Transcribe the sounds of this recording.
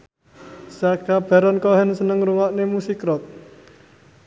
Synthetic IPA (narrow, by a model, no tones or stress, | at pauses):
saɡ̥ab̥a̤ɾɔnkɔɦɛnsənəŋɾuŋɔʔnemusikɾɔt̪̚